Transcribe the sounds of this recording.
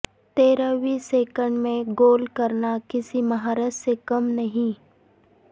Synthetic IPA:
t̪eːɾəʋiːseːkə̃ɳɖmẽɡoːlkɐɾnakɪsimɐɦaːɾəssekɐmnɐɦĩ

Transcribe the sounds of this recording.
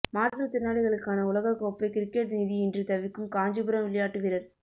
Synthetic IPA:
maːɾʈɾɯɐt̪ɪnːaːɽɪɣɐɭɯkːaːnɐʊlɐɣɐkoːpːɐɪkɪɾɪkːeːʈniːðiɪndrɯt̪ɐʋɪkːɯmkaːɲd͡ʒɯbɯɾɐmʋɪɭɐjaːʈːɯʋɪɾɐɾ

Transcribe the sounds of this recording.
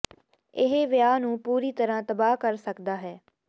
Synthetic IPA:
ɪɦeʋɪjaːnũːpuːɾiːt̪əɾãːt̪əbaːkəɾsəkd̪aːɦɛː

